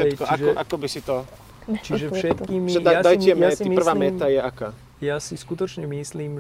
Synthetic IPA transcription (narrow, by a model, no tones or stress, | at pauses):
ɛkɔʔaʒɔʔakɔbisit̪ɔ | t͡ʃiʒɛfʃɛt̪kimʒɛd̪adajcɛmːipr̩ʋaːmɛːt̪ajɛakaː | jaːsiskut̪ɔt͡ʃɲɛmisliːm